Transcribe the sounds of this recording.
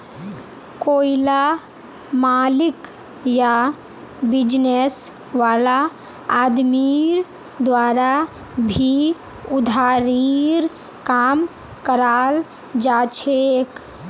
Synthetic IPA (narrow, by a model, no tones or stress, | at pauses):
koila | malik | ja | bid͡ʒnes | ʋalaː | d̪miɾ | d̪waɾa | bʱi | ʊd̪ʱaɾiɾ | kam | kəɾal | d͡ʒat͡ʃʰek